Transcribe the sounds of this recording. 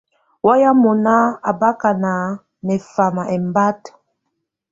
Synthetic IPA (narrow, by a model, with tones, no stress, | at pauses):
wa˦ja˦mɔ˨na˦a˨ba˦ka˨na˨ | nɛ˨fa˨ma˨ʔɛ˨m˦ba˦t